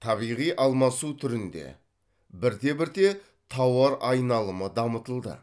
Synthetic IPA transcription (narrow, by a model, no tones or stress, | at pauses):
t̪ʰɑβijʁijʔɑlˠmɑsut̪ʰʏɾɪnd̪e̞̰ | bɪɾd̪e̞bɪɾd̪e̞ | t̪ʰɑwɑɾɑjnɑlˠəməd̪ɑmət̪əlˠd̪ə̰